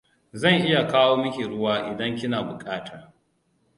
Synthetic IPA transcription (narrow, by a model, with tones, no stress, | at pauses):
zɐ˦˨ŋʔɪ˦ja˨kaː˦woː˦mɐ˦kʲi˨ɽʊ˦waː˦ʔɪ˨dɐ˦ŋkʲɪ˦naː˨bʊ˨kʼaː˦ta˨